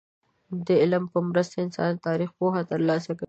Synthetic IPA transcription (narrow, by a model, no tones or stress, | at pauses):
d̪əɪlmpəmɾəst̪aɪnsɑ̰nt̪ɑɾixpoxat̪əɾlɑsakawi